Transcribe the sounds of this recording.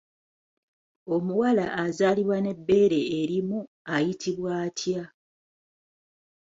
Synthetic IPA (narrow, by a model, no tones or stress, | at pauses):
o̞muwalaʔːzaːliβwane̞bːe̞ːɾe̞ːɾimu | ajitʰiβwaːtʰja